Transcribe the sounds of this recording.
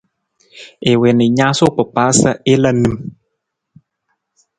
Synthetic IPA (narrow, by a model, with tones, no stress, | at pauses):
e˨we˨ni˨ɲã˦so˦k͡pə˨paː˨˦sə˦e˦la˦nɨ˦m